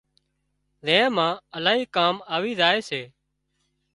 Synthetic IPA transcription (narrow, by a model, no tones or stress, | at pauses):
zẽːmãːəlaːɦiːkaːmaːʋiːzaːeːseː